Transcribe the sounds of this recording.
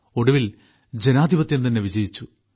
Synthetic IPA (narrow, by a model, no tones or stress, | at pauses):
o̞ɽɐʋil | d͡ʑe̞naːd̪ʱibɐt̪jɐnt̪ɐnːe̞ʋid͡ʑɐjit͡ɕːu